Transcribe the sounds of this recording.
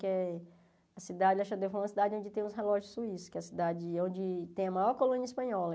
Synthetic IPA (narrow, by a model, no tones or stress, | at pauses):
kɪɛ | ɐsid̪ad͡ʒɪaʃad̪efɐ̃ɐsid̪ad͡ʒɪõd͡ʒɪt̪ẽj̃ʊsɦelɔʒʊssuisʊ̥kɛɐsid̪ad͡ʒɪõd͡ʒɪt̪ẽj̃ɐmajɔɾkolũniɐispɐ̃ɲɔlɐ